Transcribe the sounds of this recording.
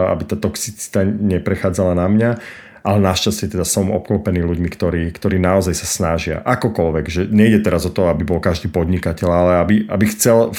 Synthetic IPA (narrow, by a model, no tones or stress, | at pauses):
a̰bit̪aːt̪ɔksit͡si̥t̪aɲɛpɾɛxaːd͡zalanamɲa | ʔalɛnaʃcascɛt̪ɛd̪asɔmɔp̚klɔpɛniːluɟmikt̪ɔɾiːkt̪ɔɾiːnaɔzajsasnaʒɪa̰ʔakɔkɔlʋɛɡʒɛɲɛjɟɛt̪ɛɾazɔt̪ɔɦabibɔlkaʒd̪iːpɔd̪ɲikacɛʎalɛabiʔa̰bixt͡sɛl